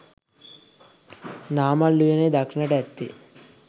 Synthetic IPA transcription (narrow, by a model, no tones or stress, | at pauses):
naːmalːujeneːd̪akʂinəʈəæt̪ːḭ